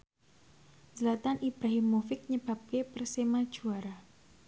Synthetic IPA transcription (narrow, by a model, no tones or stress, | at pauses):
zəlat̪anʔibɾaɦɪmːufɪk̚ɲəb̥a̤p̚kepərsemad̥ʒ̥uaɾa